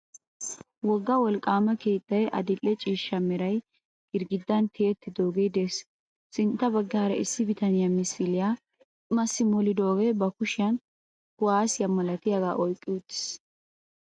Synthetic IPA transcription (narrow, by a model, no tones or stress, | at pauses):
wɔɡːɐwɔlkʼːaːmɐke̞ːt̪ʼːɐjʔɐ̰d̪ɪlːɛt͡ʃʼiːʃːɐmɛɾɐj | ɡɪɾɡɪd̪ːɐnt̪ʰeːt̪ːɪd̪o̞ːɡed̪eːs | sɪnt̪ːɐbɐɡːɐɐɾɐɪsːɪbɪt̪ɐnɪjamɪsɪlɪja | ʊmɐsːɪmɔlɪd̪o̞ːɡebɐkʊʃɪjɐn | kʊwaːsɪjɐmɐlɐt̪ɪjɐɡaːʔɔjkʼːɪwʊt̪ːɪ̥s